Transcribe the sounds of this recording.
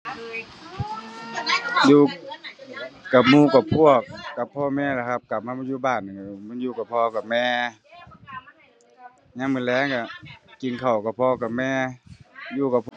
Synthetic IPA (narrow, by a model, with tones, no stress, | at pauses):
juː˧ | ka˨˩p̚muː˧˨ka˧˩pʰu˧˩ək̚ːa˨˩pʰːɔː˧mɛː˧˨la˧˩kʰa˧˩p̚ka˨˩p̚ma˧˥˨mɔ˧˥˨juː˧˩baː˧˩nːɯ˨˩˧mɯ˧˥˨njuː˧ka˨˩pʰɔː˧ka˨˩p̚mɛː˧ | ɲaː˧˥ŋmɯ˧˨lɛː˧˥˨ŋka˧˩ki˧˨nkʰa˨˩wka˧˩pʰɔː˧ka˨˩p̚mɛː˧ | juː˧ka˨˩pʰ